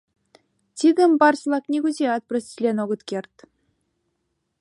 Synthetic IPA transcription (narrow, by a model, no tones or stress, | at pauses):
tʲiɡʲɘ̆mʲbɑrɕlˠɑknʲeɡuzʲeɑt̪̚prɤ̆sʲlʲenoɡɤ̆t̪kʲerʲt̪ʲ